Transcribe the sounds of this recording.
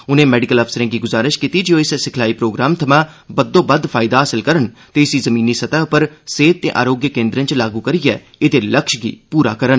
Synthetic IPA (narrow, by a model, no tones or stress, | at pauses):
ʊnẽːmɛːɖɪkəlɔpʰsəɾẽːɡiːɡʊzaːɾɪʃkiːt̪id͡ʒɪõːɪssɪkʰlaːiːpɾoːɡɾaːmt̪ʰəmãːbəd̪õːbəd̪pʰaːɪd̪aɦaːsɪlkəɾənt̪eːɪsizəmĩːnisət̪aːpəɾseːt̪̚t̪ḛːʔa̰ːɾoːɡjəkẽːnd̪ɾə̃nt͡ʃlaːɡuːkəɾijɛ̰ː | ɪt̪eːləkʃɡḭːpuːɾa̰ːkəɾən